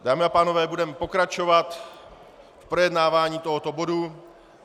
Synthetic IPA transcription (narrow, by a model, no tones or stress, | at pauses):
daːmɪapaːnovɛːbudɛmɛpo̞kɾat͡ʃo̞vat̪ | fpɾojɛdnaːvaːɲiːt̪oɦot̪o̞bodu